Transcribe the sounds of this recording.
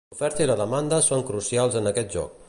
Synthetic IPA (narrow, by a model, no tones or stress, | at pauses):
ufɛɾt̪əiləðəmand̪əsoŋkɾusialˠzənəkɛt̪̚ʒɔ̰k̚